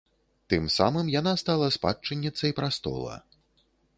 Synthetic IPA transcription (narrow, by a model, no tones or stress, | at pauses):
t̪ɨmsamɨmjanast̪alˠɐspa̰t͡ʂːɨnʲːit̪sɐjpɾast̪ɔ̰lˠɐ̰